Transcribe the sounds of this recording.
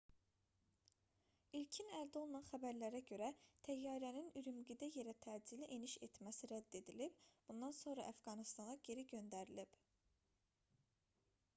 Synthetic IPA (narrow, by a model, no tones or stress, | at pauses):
ilcʰinæɾd̪o̞lˠunɑnχæbæɾlæɾæɟø̞ɾæt̪ʰæjːɑːɾæninyɾymɡid̪æje̞ɾæt̪ʰæd͡ʒiliʔeniʃe̞̰t̪mæsiɾæd̪ːe̞d̪ilib̥b̥und̪ɑnso̞nɾɑ̰ʔæfɡɑnist̪ɑnɑɟe̞ɾiɟø̞nd̪æɾilib̥